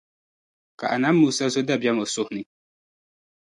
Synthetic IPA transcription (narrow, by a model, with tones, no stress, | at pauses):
ka˨ʔa˨na˨˦mː˦uː˦sa˦so˦da˦˨bɛ˦m˨ʊ˨sʊ˦hnɪ˦